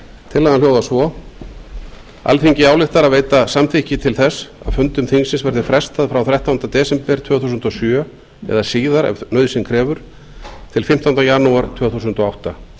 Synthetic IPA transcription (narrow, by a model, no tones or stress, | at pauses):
t̪ʰɪlːaɣaljoːwðasvɔ | a̰lfiɲcɪaːwlɪht̪aɾaðveːjt̪asamt̪ʰicɪt̪ʰɪlθɛsa̰ðfʏnt̪ʏmθiŋsɪnsvɛɾðɪfɾɛst̪aðfɾawθɾɛht̪awnt̪at̪ɛːsɛmpɛɾ̥t̪ʰv̥œːθusʏnt̪ɔsjœː | ɛ̰ðasiːðaɾɛ̰vnœɥðsɪmkʰɾɛːvʏɾ̥ | t̪ʰɪlfɪm̥t̪awnt̪ajanuaɾ̥t̪ʰv̥œːθusʏnt̪ɔawht̪a